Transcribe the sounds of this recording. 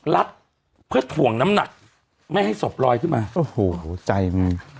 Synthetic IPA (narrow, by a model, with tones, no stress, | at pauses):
la˦˥t̪̚ | pʰɯ˥˩t̪ʰu˨˩˦əŋna˦˥mna˨˩k̚ | ma˥˩jha˥˩jso˨˩p̚ɾɔː˧jkʰɯ˥˩nmaː˧ʔo˨˧˩hoː˩˦t͡ɕa˧jma˧j